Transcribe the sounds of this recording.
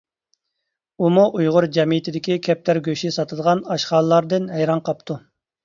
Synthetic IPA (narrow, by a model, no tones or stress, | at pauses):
umuʔujʁʊɾd͡ʒɛmijt̪ʰɪd̪ɪkʲikʲʰɛp̚t̪ʰæɾɡʲøʃisɑt̪ʰɨd̪əʁɑnɑʃχɑːlˠlˠɑɾd̪ɨnɦɛjɾɑnqʰɑp̚t̪ʰu